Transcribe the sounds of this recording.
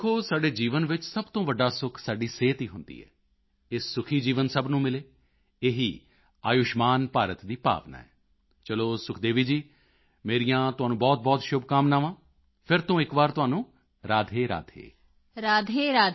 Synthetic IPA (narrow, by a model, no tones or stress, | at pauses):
kʰːoːsaːɖeːd͡ʒiːʋənʋɪt͡ʃsəbt̪õːʋəɖaːsʊkʰsaːɖiːseːt̪iːɦʊnd̪ḭːɦɛ̰ː | ɪssːʊkʰiːd͡ʒiːʋənsəbnũːmɪleː | eɦiː | aːjʊʃmaːnpaːɾət̪d̪iːpa̰ːʋna̰ːɦɛ̰ː | t͡ʃəloːsʊkʰd̪eːʋiːd͡ʒiː | meːɾijãːt̪ʊaːnũːbɔːt̪̚bɔːt̪ʃʊb̚kaːmnaːʋãː | pʰɪɾt̪õːɪkʋaːɾt̪ʊɦaːnũː | ɾaːd̪ʱeːɾa̰ːd̪ʱḛː | ɾaːd̪ʱeːɾaː